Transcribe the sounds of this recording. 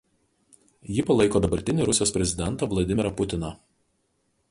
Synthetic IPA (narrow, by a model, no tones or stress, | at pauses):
jɪpɐlˠɐɪkoːd̪ɐbɐɾʲt̪ʲɪnʲɪɾʊsʲɪjoːspʲɾʲɛzʲɪd̪ʲɛnt̪ɐːʋlˠɐd̪ʲɪmʲɪɾɐpʊt̪ʲɪnɐ